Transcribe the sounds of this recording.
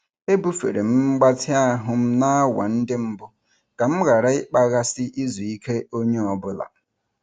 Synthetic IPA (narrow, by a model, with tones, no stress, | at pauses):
e˦bu˦fḛ˨ɾe˨m̩˦m̩˦ɡ͡ba˦tʰɪ˦a˦ɦʊ˨m̩˦na˦wa̰˨n̩˦dɪ˦m̩˦bʊ˦ | ka˨m̩˦ɣa˨ɾa˦ɪ˦k͡pa˦ɣa˦sɪ˦ʔi˦zu˨i˦kʰe˦o˦ɲe˦ɔ˨bʊ˦la̰˨